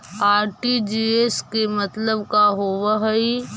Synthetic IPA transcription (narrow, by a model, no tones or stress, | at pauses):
aːɾʈid͡ʒieːskemɐt̪ləbkaɦoːʋəɦəi